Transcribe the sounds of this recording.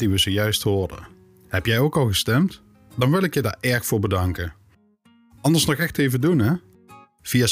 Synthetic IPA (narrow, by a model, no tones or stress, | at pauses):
diʋəzoːjœɥstɦʊːɹdə̰ | hɛpjɛjowkɑlˠɣəstɛmt | dɑnʋɪlˠɪkjəda̰ːɹɛɹxfʊːɹbədɑŋkə | ɑndəɹsnɔxɛxtejvədunɦɛ | v̥ija